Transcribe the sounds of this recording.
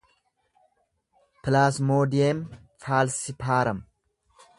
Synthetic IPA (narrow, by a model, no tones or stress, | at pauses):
pɪlaːsmoːd̪ɪjeːn | faːlsɪpʰaːɾɐm